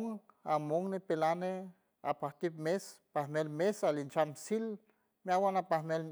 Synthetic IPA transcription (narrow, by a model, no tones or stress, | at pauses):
ŋamoŋnepelane | a̰paht̪ip̚mespahmelmesalint͡ʃamsil | miawanapahmel